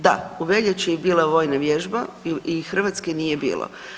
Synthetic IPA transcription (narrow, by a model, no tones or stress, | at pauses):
d̪a̰uʋeʎʲet͡ɕijebiːlˠaʋo̞ːjnaʋjeʒbaixr̩ʋat̪skeniːje̞bḭːlˠo̰